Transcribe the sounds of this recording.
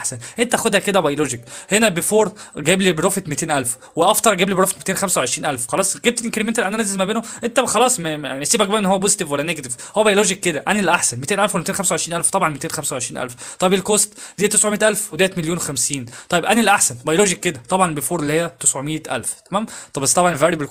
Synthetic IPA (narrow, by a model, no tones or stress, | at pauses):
ʔaħsænʔent̪æʔæxod̪hæked̪æbæjoloːʒekhenæbefoːɾˤɡæːblibeɾoːfet̪met̪eːnʔælf | weʔɑft̪ˤɑɾˤɡæːblibeɾoːfe̥t̪met̪eːnxæmsæweʕeʃɾiːnʔælfxɑlɑːsˤɡæːb̚t̪elʔenkeɾement̪ælʔænænæzːezmæbeːnoʔent̪æxɑlɑːsˤmæʕsiːbæk̚bæːmenːhowːæbozit̪ivwælːæneɡæt̪ivhowːæbæjoloːʒikːed̪æʔænilːæʔaħsænmet̪eːnʔælfwelmet̪eːnxæmsæwʕeʃɾinʔælft̪ɑbʕɑnmet̪eːnxæmsæwʕeʃɾiːnʔæ̰lft̪ˤɑjebelkoːst̪d̪ejæt̪esʕomeːt̪ʔælfwed̪æːjæt̪meljoːnwexæmsiːnt̪ˤɑjebʔænilʔaħsænbɑjoloːʒikːed̪æt̪ˤɑbʕɑnbefoːɾelːihejːæt̪esʕomejːet̪ʔæ̰lft̪æmæːmt̪ˤɑbæst̪ɑbʕɑnlvæɾibel